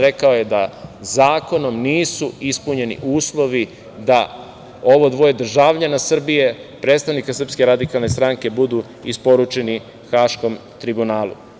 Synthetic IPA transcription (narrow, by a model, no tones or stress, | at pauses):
ɾe̞kao̞je̞d̪azaːko̞no̞mniːsuispuɲe̞nḭʔuːslˠo̞ʋi | d̪a | o̞ʋod̪ʋo̞jed̪r̩ʒaʋʎanasr̩bije̞pɾet̪st̪aʋnikasr̩pske̞ɾad̪ikalˠne̞st̪ɾaŋke̞bud̪u | ispo̞ɾut͡ʃe̞ni | xaːʃko̞mt̪ɾibunaːlˠṵ